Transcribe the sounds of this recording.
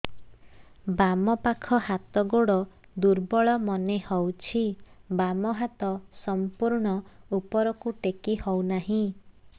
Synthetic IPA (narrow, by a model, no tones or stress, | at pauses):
bamɔpakʰɔhat̪ɔɡoɽɔ | d̪uɾbɔɭɔmɔnehɔwt͡ʃʰibamɔɦat̪ɔsɔmpuɾɳɔupɔɾɔkuʈekihɔwnaɦĩ